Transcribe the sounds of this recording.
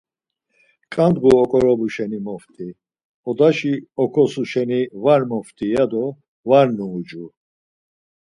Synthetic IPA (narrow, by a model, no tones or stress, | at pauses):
kʼand̪ɡuɔkʼɔɾɔbuʃɛnimɔft̪ʼi | ɔd̪aʃiɔkʰɔsuʃɛnivaɾmɔft̪ʼiad̪ɔ | vaɾnuːd͡ʒu